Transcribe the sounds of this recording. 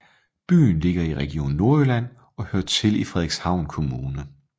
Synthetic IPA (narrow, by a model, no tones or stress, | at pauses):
b̥y̰ːn̩le̝ɡ̥ɐiʁɛɡ̥io̝̰ːn̩ːo̝ɐølæn̰ | ɒ̽høɐ̰t͡sʰe̝lifʁɛðˠeɡ̥shɑ̈ʊ̰nkʰo̝muːnə